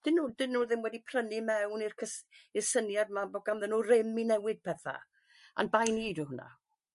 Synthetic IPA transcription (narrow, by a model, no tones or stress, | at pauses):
d̥ɪnːuːdɪnːuːðɪmwɛdipʰr̥ənimɛwnirkʰəsirsənjadmabɔɡamðɛnurɪminɛwɪd̚pʰɛθa̰ | a̰nbajniːduɦʊna̰